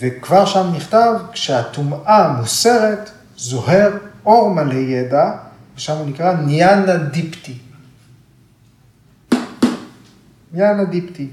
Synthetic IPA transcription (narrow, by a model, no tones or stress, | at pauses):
vekvaʁʃamniχt̪avkʃeat̪umamuse̞ʁet̪ | zo̞heʁo̞ʁmalejed̪a | veʃamunikʁanijanadipt̪i | njanad̪ipt̪i